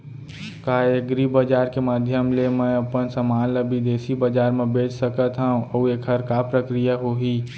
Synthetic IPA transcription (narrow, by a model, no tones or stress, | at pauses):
kaːəɡɾibəd͡ʒaːɾkemaːd̪ʱjəmlemə̃ɐpənsəmaːnləbid̪eːsibəd͡ʒaːɾmẽbeːt͡ʃsəkət̪ɦaũəuekʰəɾkapɾəkɾijaɦoɦi